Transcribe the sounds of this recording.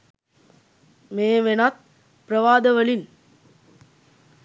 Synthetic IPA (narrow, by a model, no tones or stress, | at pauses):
meːʋenat̪̚ | pɾɐʋaːd̪əʋəlin